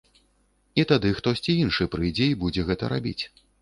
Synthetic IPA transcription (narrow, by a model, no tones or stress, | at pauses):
it̪ad̪ɨxt̪ɔsʲt͡sʲiinʂɨpɾɨd͡zʲeibud͡zʲɛɣɛt̪ɐ̰ɾa̰bʲḭt͡sʲ